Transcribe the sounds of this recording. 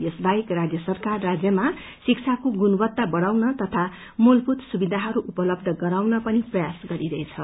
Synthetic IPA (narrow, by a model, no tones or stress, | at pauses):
jʌsbaikrad͡zjʌsʌrkarːad͡zjʌma | sik̚t͡sʰakoɡunubʌt̪ːabʌɽawnʌt̪ʌt̪ʰa | mulput̪subid̪ʱaɦʌɾuʔupʌlʌb̚d̪ʱʌɡʌɾawnʌpʌniprʌjasɡʌɾiɾʌet͡sʰʌ